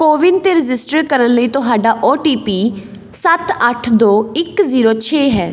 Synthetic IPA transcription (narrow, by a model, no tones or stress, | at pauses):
koːʋɪnt̪eːɾɪd͡ʒɪsʈəɾkəɾənləiːt̪ʊɦaːɖaːʔoːʈiːpiː | sət̪əʈʰd̪oːɪkziːɾoːt͡ʃʰeːɦɛ̰ː